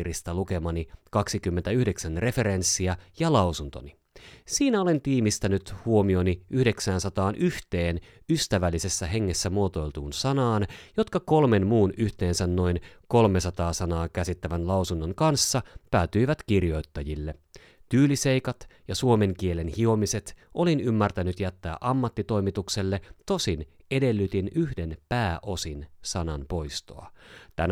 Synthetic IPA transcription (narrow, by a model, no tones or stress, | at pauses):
rist̪ɑluke̞mɑnikɑksikymːe̞nt̪æyhde̞ksænre̞fe̞ɾe̞nsːiɑjɑlɑwsunt̪o̞̰ni | siːnæole̞nt̪iːmist̪ænyt̪huo̞mio̞niʔyhde̞ksæːnsɑt̪ɑːnʔyht̪e̞ːn | yst̪æʋælːise̞sːæɦe̞ŋːe̞sːæmuot̪o̞jlt̪uːnsɑnɑːnjo̞t̪kɑko̞lme̞nmuːnyht̪e̞ːnsænno̞inko̞lme̞sɑt̪ɑːsɑnɑːkæsit̪ːæʋænlɑwsunːo̞ŋkɑnsːɑpæːt̪yiʋæt̪kirjo̞jt̪ːɑjilːe̞ | t̪yːlise̞jkɑt̪jɑsuo̞me̞ŋk̟iele̞nhio̞mise̞t̪ʔo̞linymːært̪ænyt̪jæt̪ːæːʔɑmːɑt̪ːit̪o̞jmit̪ukse̞lːe̞t̪o̞sine̞delːyt̪inyhde̞npæːʔo̞sinsɑnɑnpo̞jst̪o̰ɑ̰t̪æn